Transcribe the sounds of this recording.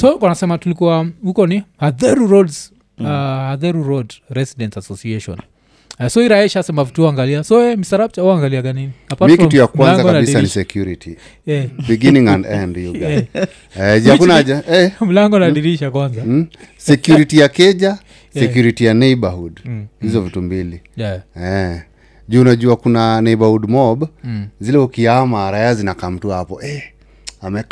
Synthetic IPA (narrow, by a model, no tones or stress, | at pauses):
sɔkwanasɛmatulikuaukɔnihaðɛɾuɾɔds | haðɛɾuɾɔdɾɛsidɛntasɔsiɛʃɔ̰n | ɛsɔiɾaɛʃasɛmavituɔaŋɡaliasɔɛmisaɾab̚t͡ʃauaŋɡaliaɡaniniapamiikitujakwalanŋzakɡɔkanabiisanniʃsɛkjuɾiti | jɛbiɡiniŋandɛɛndijuɡaɛ | ɛakunaʄaɛm̩laŋɡɔnaɗiɾiʃakwanza | sɛkjuɾitijakɛʄa | sɛkjuɾitijanɛibahudhizɔvitumbiliɛ | ʄuːnaʄuakunanɛibahudmɔbzilɛukiamaɾajazinakam̩tuahapɔʔɛ | amɛ